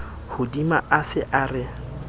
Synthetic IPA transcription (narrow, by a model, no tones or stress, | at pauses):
hʊdimaʔasɪʔaːrɪ